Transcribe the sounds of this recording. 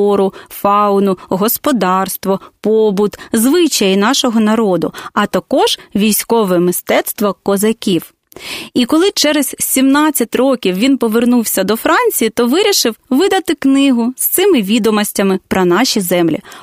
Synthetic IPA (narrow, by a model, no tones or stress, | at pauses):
ɔɾʊfɑʊnʊɦɔspɔd̪ɑrst̪ʋɔpɔbʊt̪zʋɪt͡ʃɐjinɑʃɔɦɔnɐɾɔd̪ʊ̰ɐt̪ɐkɔʒ̥ʋʲijsʲkɔʋɛmɪst̪ɛt̪st̪ʋɔkɔzɐkʲiw | ikɔlˠɪt͡ʃɛɾɛz̥ʲsʲimnɑt͡st͡sʲːɐtʲrɔkʲiwʋʲinpɔʋernuwsʲɐd̪ɔfɾɑnʲt͡sʲijit̪ɔʋɪɾʲiʃɪwʋɪd̪ɐt̪ɪknɪɦʊst̪sɪmɪʋʲid̪ɔmɔsʲtʲɐmɪpɾɐnɑʃʲizɛmlʲḭ